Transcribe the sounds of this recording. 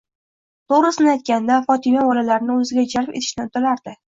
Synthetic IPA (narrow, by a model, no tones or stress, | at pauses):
t̪ʰoɾɪsɪnɪajt̪̚kʲand̪afɒt̪ʰɪmabɒlalaɾɪnɪɵzɪɡʲad͡ʒalpet̪ʰɪ̥ʃnɪnt̪ʰolaɾd̪ɪ